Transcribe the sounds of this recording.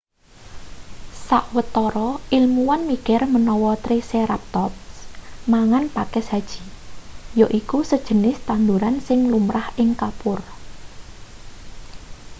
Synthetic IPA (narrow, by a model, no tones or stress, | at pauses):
saʔwət̪ɔɾɔʔilmuwanmikɛrmənɔwɔt̪ɾiseɾap̚t̪ɔp̚smaŋanpakɛsad̥ʒ̥i̤joʔikusəd̥ʒ̥ə̤nɪst̪and̪uɾansɪŋlumɾahʔɪŋkapʊr